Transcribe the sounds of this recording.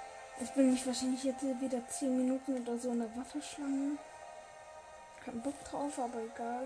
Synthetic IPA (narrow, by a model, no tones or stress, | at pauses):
ʔɪçb̥ɪnmɪçv̥aːɐʃaɪnlɪçjɛt͡sːviːdɐt͡seːnminuːtn̩oːdɐzoːɪnɛɐvasɐʃlaŋə | kʰaɪnbɔk̚d̥ʁaʊfʔaːbɐeɡaːl